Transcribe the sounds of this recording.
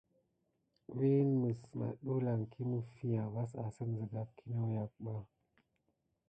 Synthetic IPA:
wi˦nmə˨sma̰˨ɗu˦la˨ŋkʰi˦mu˦fi˦ja˨va˦sa˨sə˦n˨zə˨ɡa˨p̚kʰi˦nə˦wja˨k̚ɓa˦

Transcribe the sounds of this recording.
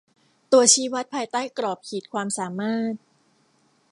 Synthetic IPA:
t̪u˧ɐt͡ɕʰiː˦˥wa˦˥t̪̚pʰaː˧jt̪aː˥˩jkɾɔː˨˩p̚kʰiː˨˩t̪̚kʰwaː˧msaː˨˩˦maː˥˩t̪̚

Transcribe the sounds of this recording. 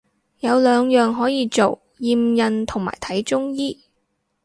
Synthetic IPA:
jɐ˨˧wlœː˨˧ŋjœː˨ŋɦɔː˨˥jiː˧t͡so˨w | jiː˧mjɐ˨˧nt̪ʰʊ˨˩ŋma̰ː˨˩jt̪ʰɐ˨˥jt͡ʃʊ˥ŋjiː˥

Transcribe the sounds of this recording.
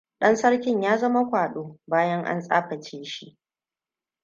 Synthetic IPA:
ɗɐ˦nsɐ˦ɽkʲɪ˦ɲjaː˦zɐ˦ma˦kʷaː˨ɗoː˦baː˦jɐ˦ŋʔa̰˦nsʼa̰ː˦ɸɐ˨t͡ʃeː˦ʃi˦ʔ

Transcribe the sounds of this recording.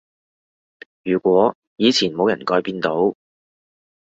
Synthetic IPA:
jyː˨˩kʷwɔː˨˥ | jiː˨˧t͡sʰiː˨˩nmo˨˧wjɐ˨˩nkɔː˧jpiː˧nt̪o˨˥w

